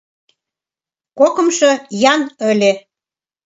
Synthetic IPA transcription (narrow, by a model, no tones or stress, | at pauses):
kokə̆mʃɤ̆jɑnølʲe